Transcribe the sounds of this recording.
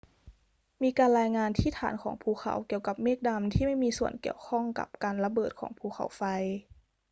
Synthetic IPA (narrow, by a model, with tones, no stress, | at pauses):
miː˧kaː˧nɾlaː˧jŋaː˧nt̪ʰiː˥˩t̪ʰaː˩˦nkʰɔ̰ː˩˦ŋpʰuː˧˩xʰa̰˩˦wki˨˩əwka˨˩˦p̚meː˥˩k̚da˧mt̪ʰiː˥˩ma˥˩jmiː˧su˨˩ənki˨˩əwkʰɔ˥˩ŋka̰˨˩˦p̚kaː˧nla˧bɤː˨˩t̪̚kʰɔː˩˦ŋpʰuː˧˩xʰa̰˨˩˦wfa˧j